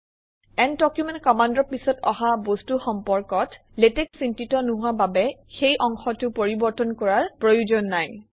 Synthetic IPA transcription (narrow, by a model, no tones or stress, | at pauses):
ɛntɔkjumɛnt̚kɔmandɹɔpisɔtɔ̰ɦabostuxɔmpɔɹkɔt | letɛksintitɔnʊɦʊababɛxejʔɔŋxɔtʊpoɹibɔɹtɔnkɔɹaɹpɹojuzɔnːaj